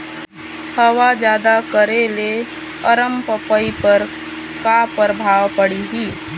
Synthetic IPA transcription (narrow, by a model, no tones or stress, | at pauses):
həwad͡ʒjaːd̪akəɾele | əɾəmpəpəipəɾ | kapəɾbʱaːwpəɽiɦiː